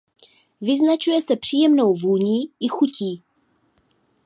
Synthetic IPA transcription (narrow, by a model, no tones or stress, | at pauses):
vɪznat͡ʃujɛsɛpr̥iːjɛmno̞wvuːlɲiːʔɪxuciː